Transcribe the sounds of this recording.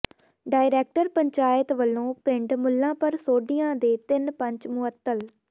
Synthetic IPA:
ɖaːɪɾeːk̚ʈəɾpəɲt͡ʃaːɪt̪ʋəlːõːpɪɳɖmʊlːãːpəɾsoːɖɪjãːd̪eːt̪ɪnpəɲt͡ʃmʊət̪ːəl

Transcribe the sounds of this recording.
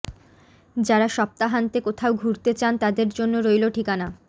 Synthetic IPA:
d͡ʑaɾaʃɔp̚t̪aɦant̪ekot̪ʰaoɡʱuɾt̪et͡ɕant̪ad̪eɾd͡ʑonːoɾojloʈʰikana

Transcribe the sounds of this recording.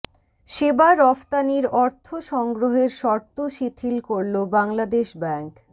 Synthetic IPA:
ʃebaɾɔft̪aniɾɔɾt̪ʰoʃɔŋɡɾoɦeɾʃɔɾt̪oʃit̪ʰilkoɾlobaŋlad̪eʃbɛŋk

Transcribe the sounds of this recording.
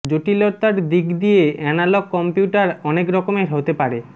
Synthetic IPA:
d͡ʑoʈiloɾt̪aɾd̪ikd̪ijeɛnalɔkːɔmpjuʈaɾɔnekɾɔkomeɾɦot̪epaɾe

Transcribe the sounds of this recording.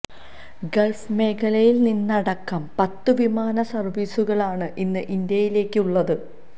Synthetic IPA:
ɡeɭfme̞ːkʰɐlɐjilninːɐɽɐkːɐmpɐt̪ːɨʋimaːnɐsɐrʋiːsuɣɐɭaːɳɨʔinːɨʔind̪jɐjile̞ːkːɨuɭːɐðɨ

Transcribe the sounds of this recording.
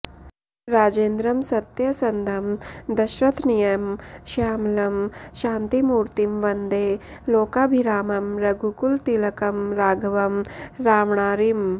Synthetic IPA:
ɾaːd͡ʒeːnd̪ɾɐmsɐt̪jɐsɐnd̪ʱɐmd̪ɐʃɾɐt̪ʰnijɐmʃaːmlɐmʃaːnt̪imuːɾt̪imʋɐnd̪eːloːkaːbʱiɾaːmɐmɾɐɡukult̪ilɐkɐmɾaːɡʱɐʋɐmɾaːʋɳaːɾim

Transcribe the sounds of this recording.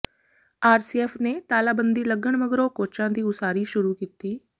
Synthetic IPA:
aːɾsiːɛːpʰneːt̪aːlaːbənd̪iːləɡəɳməɡɾoːkoːt͡ʃãːd̪iːʊsaːɾiːʃʊɾuːkiːt̪iː

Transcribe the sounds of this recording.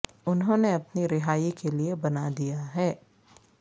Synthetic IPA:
ʊnɦõːneɐpniɾɪɦaːikeliebɐnad̪ijaɦɛː

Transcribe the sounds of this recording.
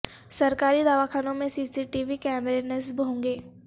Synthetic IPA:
sɐɾkaːɾid̪aːʋakʰaːnõmẽsiːsiʈiːʋikɛːmɾenesbɦõːŋɡeː

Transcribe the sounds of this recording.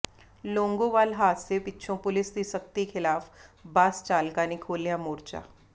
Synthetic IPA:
loːŋɡõʋaːlɦaːt̪sepɪtːʃʰõpʊlɪsd̪isəkt̪ikʰɪlaːfbaːst͡ʃaːlkaːnikʰoːlijamoːɾt͡ʃa̰ː

